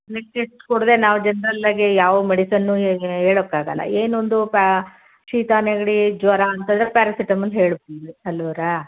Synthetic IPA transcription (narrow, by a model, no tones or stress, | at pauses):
leʈeʈkoɽd̪e̞ːnaːʋd͡ʒɐnɾɐlːaːɡejaːʋɐmeɽisɐnːuɦeːɭokːaːɡɐlːɐ̰eːnond̪up | ʃiːt̪aːneɡɐɽid͡ʒʋɐɾaɐnt̪ɐnd̪ɾepaːɾɐsiʈɐmɐlːɦeːɭb̚iɾiɐlːoɾa